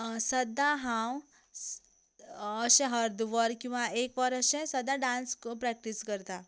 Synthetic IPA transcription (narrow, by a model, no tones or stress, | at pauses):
səd̪ʱːaɦãw | əɕɛ̃ɦəɾd̪ʋəɾkĩw̃ʋaekʋəɾəɕɛ̃səd̪ʱːaɖãnskpɾɛk̚ʈiskəɾt̪a